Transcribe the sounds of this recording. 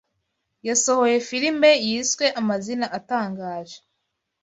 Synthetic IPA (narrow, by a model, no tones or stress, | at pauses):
jaso̞ho̞je̞filimejiːswe̞ʔamazinaʔataːŋɡaːʒe